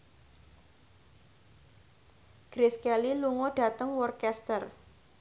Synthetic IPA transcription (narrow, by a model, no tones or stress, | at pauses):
ɡ̥ɾɪskɛliluŋoɖ̥a̤t̪əŋwɔrkɛst̪ər